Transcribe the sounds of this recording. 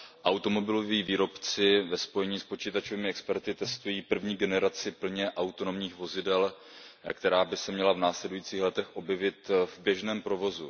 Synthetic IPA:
ʔawt̪o̞mo̞bɪlo̞viːviːɾo̞pt͡sɪvɛspo̞jɛɲiːspo̞t͡ʃiːt̪at͡ʃoviːmɪɛkspɛɾt̪ɪt̪ɛst̪ujiːpr̩vɲiːɡɛnɛɾat͡sɪpl̩ɲɛʔawt̪o̞nomɲiːxvo̞zɪdɛl | kt̪ɛɾaːbɪsɛmɲɛlavnaːslɛdujiːt͡siːxlɛt̪ɛxʔo̞bjɛvɪt̪vbjɛʒnɛːmpɾovo̞zu

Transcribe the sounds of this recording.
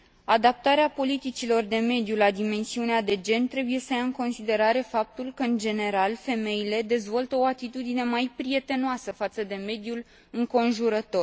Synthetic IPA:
ad̪ap̚t̪aɾeapo̞lit̪it͡ʃilo̞rd̪e̞me̞d̪julad̪ime̞nsiunead̪e̞d͡ʒe̞nt̪ɾe̞buje̞səjaɨŋko̞nsid̪e̞ɾaɾe̞fap̚t̪ulkəɨnd͡ʒe̞ne̞ɾalfe̞me̞jile̞d̪e̞zvo̞lt̪əo̞at̪it̪ud̪ine̞majpɾie̞t̪e̞noasəfat̪səd̪e̞me̞d̪jul | ɨŋko̞nʒuɾət̪o̞r

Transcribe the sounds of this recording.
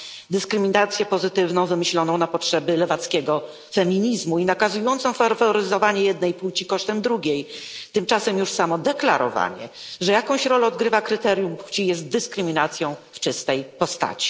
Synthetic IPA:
d̪ɘskɾɘmʲinat̪sʲjɛpɔzɘt̪ɘvnɔ̃w̃vɘmɘɕlɔnɔ̃w̃napɔtʂɛbɘlɛvat̪skʲɛɡɔ | fɛmʲiɲizmuinakazujɔnt̪sɔ̃w̃faɾfɔɔɾɘzɔvaɲɛjɛd̪̚nɛjput͡ɕikɔʂt̪ɛmd̪ɾuɡʲejt̪ɘmt͡ʂasɛmjuʂsamɔd̪ɛklaɾɔ̰va̰ɲɛ̰ʐɛjakɔ̃w̃ɕɾɔlɛɔd̪ɡɾɘvakɾɘt̪ɛɾjumpu̥t͡ɕijɛst̪̚d̪ɘskɾɘmʲinat̪sʲjɔ̃w̃ft͡ʂɘst̪ɛjpɔst̪a̰t͡ɕi̥

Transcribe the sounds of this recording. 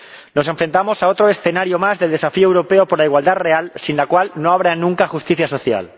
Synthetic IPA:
no̞s̬e̞ɱfɾe̞nt̪amo̞sao̞t̪ɾo̞e̞sθe̞naɾjomazðelðe̞safiowɾo̞peopoɾlaiɣwald̪aðre̞alsinlakwalno̞aβɾanũŋkaxust̪iθjaso̞θja̰l

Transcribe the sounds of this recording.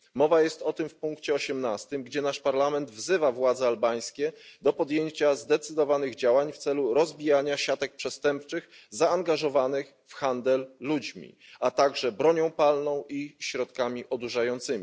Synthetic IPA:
mɔvajɛst̪ɔt̪ɘmfpuŋkt͡ɕɛɔɕɛmnast̪ɘmɡd͡ʑɛnaʂpaɾlamɛnd̪vzɘvavwad̪zɛalbaj̃skʲɛd̪ɔpɔd̪ʲjeɲt͡ɕazd̪ɛt̪sɘd̪ɔvanɘɣd͡ʑawaɲft̪sɛluɾɔzbʲijaɲaɕat̪ɛk̚pʂɛst̪ɛmp̚t͡ʂɘx | zaːŋɡaʐɔvanɘx | fxand̪ɛlːud͡ʑmʲḭ | at̪aɡʐɛbɾɔɲɔ̃w̃palnɔ̃w̃ʔiɕɾɔt̪kamʲiʔɔd̪uʐajɔnt̪sɘmʲi

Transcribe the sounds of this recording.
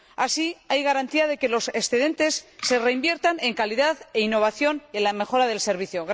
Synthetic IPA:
asiajɣaɾant̪iaðe̞ke̞lo̞se̞sθeðe̞nt̪e̞sːe̞re̞imbje̞ɾt̪ane̞ŋkaliðaðeinːo̞β̞aθjo̞nienlame̞xo̞ɾaðe̞lse̞ɾβ̞iθjoɣ

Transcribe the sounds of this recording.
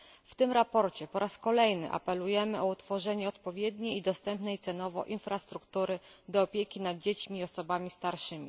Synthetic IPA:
ft̪ɘmɾapɔɾt͡ɕɛpɔɾʔaskɔlɛjnɘ̰ʔa̰pɛlujɛmɘʔɔut̪fɔʐɛɲɛɔt̪pɔvʲjɛd̪ɲejid̪ɔst̪ɛmpnɛjt̪sɛnɔvɔ̰ʔinfɾast̪ɾukt̪uɾɘd̪ɔːpʲjekʲinad̪̚d͡ʑet͡ɕmʲiːɔsɔbamʲist̪aɾʂɘmʲḭ

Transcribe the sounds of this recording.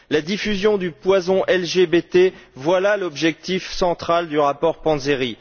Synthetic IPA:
lad̪ifyzjɔ̃d̪ypwazɔ̃ʔɛlʒebet̪evwalalɔbʒɛk̚t̪ifsɑ̃t̪χald̪yʁapɔʁpɑ̃zeʁi

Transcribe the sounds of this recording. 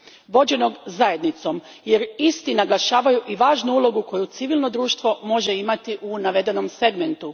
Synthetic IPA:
ʋo̞d͡ʑe̞no̞ɡzaje̞d̪nit̪so̞m | je̞ɾist̪inaɡlˠaʃaːʋajuʔiʋaːʒnuulˠo̞ɡuko̞jut̪siʋilˠno̞d̪ɾuːʃt̪ʋo̞mo̞ʒe̞imat̪iʔunaʋe̞d̪e̞no̞mse̞ɡme̞nt̪u

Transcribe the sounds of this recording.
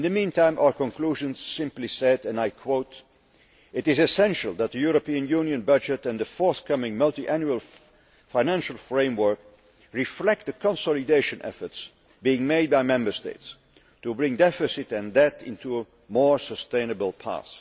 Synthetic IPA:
ɪ̃nðɨmĩntʰãɪ̃mʔaʊə˞kə̃nkl̥uʒɨ̃nz̥sɪ̃mplisɛdɨ̃naɪkʰwoʊt | ɨɾɨzɨsɛ̃nʃəl̩ˠðət̪̚ðɨjʊɹəpiɨ̃njũnjɨ̃nbʌd͡ʒɨɾɨ̃nðəfɔɹθkʰʌmɪ̃ŋmʌlˠtiʔæ̃njuəlˠ | faɪnæ̃nʃl̩ˠfɹẽɪ̃mwɜ˞k̚ | ɹɪflɛk̚t̪̚ðɨkʰə̃nsɔlˠɨdeɪʃɨ̃nʔɛ̰fə˞ts | biɪ̃ŋmeɪd̚baɪmɛ̃mbə˞stḛɪts | tubɹɪ̃ŋdɛfɨsɨtɨ̃ndɛtɪ̰̃ntʰuə | mɔɹsəstẽɪ̃nɨbəl̩ˠpʰa̰s

